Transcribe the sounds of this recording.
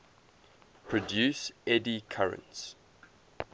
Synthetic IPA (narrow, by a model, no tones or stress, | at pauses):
pʰɹɔdjʉːˑsɛdikʰaɹə̰̃nts